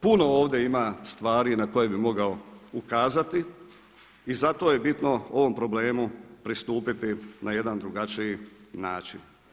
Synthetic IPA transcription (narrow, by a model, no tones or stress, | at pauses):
puno̞oːʋd̪je̞imast̪ʋaːɾinako̞je̞bimo̞ɡao̞ukaːzat̪iː | zat̪o̞je̞bit̪no̞o̞ʋo̞mpɾo̞ble̞ːmupɾist̪uːpit̪inaje̞d̪and̪ɾuɡat͡ʃiji | naːt͡ʃḭn